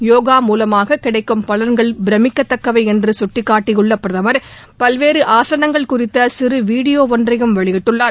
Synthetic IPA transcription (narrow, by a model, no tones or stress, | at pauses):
joːɣaːmuːlɐmaːɣɐkːɪɽɐɪkːɯmpɐlɐnɡɐɭbɪɾɐmɪkːɐt̪ːɐkːɐʋɐɪɛndrɯsʊʈːɪkːaːʈːɪjɯɭːɐpːɾɐðɐʋɐɾ | pɐlʋeːɾɯʔaːsɐnɐŋɡɐɭkʊrɪt̪ːɐsɪrɯʋiːɽɪjoːʋɔndrɐɣɯmʋɐɭɪɣɪʈːɯɭːaːɾ